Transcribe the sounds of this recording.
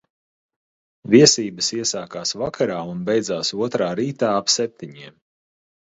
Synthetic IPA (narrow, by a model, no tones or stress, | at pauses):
viɛsiːbəsiɛsaːkaːsvakʰaɾaːunbejd̪zaːsuɔt̪ɾaːɾiːt̪aːapsɛp̚t̪iɲiɛm